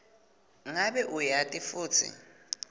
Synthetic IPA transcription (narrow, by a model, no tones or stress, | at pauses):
ŋaɓɛʔujatʼifuːt͡sʰḭ